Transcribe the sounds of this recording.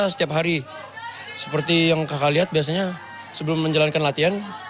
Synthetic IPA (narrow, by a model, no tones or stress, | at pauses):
sə̥t̪iap̚ɦaɾi | sə̥pərt̪ijaŋkakaliɦat̪̚bias̬aɲa | səbəlʊmːəɲd͡ʒalankanlat̪ian